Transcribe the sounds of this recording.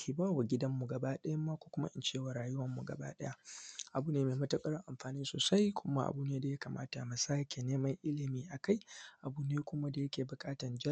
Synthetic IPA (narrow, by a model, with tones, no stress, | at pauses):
i˨baː˦˨wa˨ɡʲɪ˦dɐ˦mːu˨ɡɐ˨baː˦ɗɐ˦jɐ˦mːa˦kʷoː˦kʷʊ˦ma̰˦ʔɪ˨nt͡ʃeː˦˨wa˨ɾaː˨jʊ˦wɐ˨mːu˨ɡɐ̰˨ba̰ː˦ɗɐ˦ja˦ʔa˨buː˦neː˦meː˨mɐ˦tɐ˦kʼɐ˦ɽɪ˦ŋʔa˨mɸaː˨nɪ˦nsoː˨sa˦jkʷʰʊ˦ma˦ʔa̰˨buː˦neː˦da˨ja˦kaː˨ma̰ː˦ta˨ma˨saː˦kʲe˨neː˦mɐ˦ŋʔɪ˦lɪ˨miː˦ʔa˨ka˦jʔa˨buː˦neː˦kʷʊ˦ma˦da˨jɐ˦kʲeː˨bʊ˨kʼaː˦tɐ˨nd͡ʒɐ˦